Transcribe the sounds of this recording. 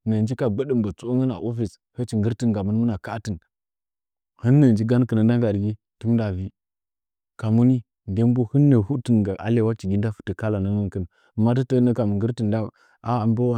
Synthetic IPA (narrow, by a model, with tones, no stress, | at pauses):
nə˨nd͡ʒi˦ka˨ɡ͡bə˦ɗə˦˨mbə˨t͡so˦ŋə˦na̰˨ʔo˦fi˨s | hə˦t͡ʃi˨ŋɡə˦ɾtə˦nɡa˨mə˦nmə˦na˨ka˦tə˨n | hə˦nːə˨nd͡ʒi˦ɡa˦n˦kə˨nə˨n˦da˦ŋɡa˨dɡi˦ | ti˦m˦da˨vi˦ | ka˨mu˦ni˦ | nde˦m˦bo˦hə˦nːə˨hu˦tə˨nɡa˨ʔa̰˨le˦˨wa˦t͡ʃi˨ɡi˦n˦da˦fu̥˨tə˨ka˦la˨nə˦ŋə˦nkə˨na˨ | ma˦tə˦tə˦nə˦ka˨mə˨ŋɡə˦ɾti˨nda˦ | a˦˨mbə˦wa˦